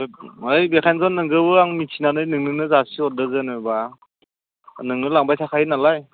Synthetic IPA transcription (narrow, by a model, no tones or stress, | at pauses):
ɯjbekʰajnzɔnːɯŋɡɯbɯaŋmitʰinanɯjnɯŋnɯnɯzasiɔt̚dɯzɯnɯba | nɯŋnɯlaŋbajsʰakʰainalaj